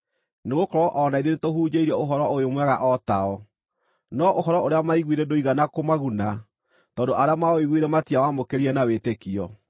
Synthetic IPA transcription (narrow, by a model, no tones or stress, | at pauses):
neɣokɔɾɔʔɔnaiðenetohuːd͡ʑeiɾɛoɦɔɾɔojomwɛɣaʔɔtaɔ | nɔʔoɦɔɾɔoɾeamaiɣwiɾɛdoiɣanakomaɣuna | tɔːndoʔaɾeamaoiɣwiɾɛmatiawamokeɾiɛnawetekiɔ